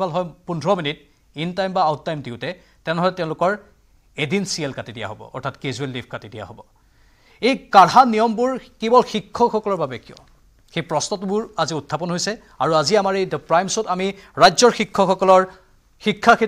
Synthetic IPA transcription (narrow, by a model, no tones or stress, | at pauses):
balɦɔjpundʱɹɔminit̚ | intajmbaaʊttːajmdiʊtɛ | tɛʊ̃nɦɔlɛtɛʊ̃lʊkɔɹ | edinsielkatidija̰ɦobɔ̰ʔɔ̰ɹtʰatkezuelːipʰkatidija̰ɦobɔ | ejkaɹɦanijɔmbuɹkebɔlxikʰːɔxɔkɔlɔɹbabɛkijɔ̰ | xejpɹɔsnɔtbuɹaziʊtʰːapɔnɦojsɛ | aɹuaziamaɹejdpɹajmsɔtamiɹajzɔɹxikʰːɔxɔkɔlɔɹ | xikʰːakʰe